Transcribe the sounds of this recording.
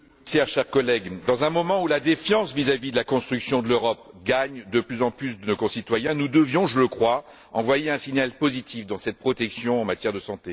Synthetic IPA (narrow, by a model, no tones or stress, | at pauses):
sɛʁʃɛʁkɔlɛɡd̪ɑ̃zɛ̃mɔmɑ̃ulad̪efjɑ̃svizavid̪əlakɔ̃st̪χyksjɔ̃d̪əløʁɔpɡaɲd̪əplyzɑ̃plysd̪ənokɔ̃sit̪wajɛ̃nud̪əvjɔ̃ʒələkχwa | ɑ̃vwajeɛ̃siɲalpozit̪ifd̪ɑ̃sɛt̪̚pχɔt̪ɛksjɔ̃ɑ̃mat̪jɛʁd̪əsɑ̃t̪e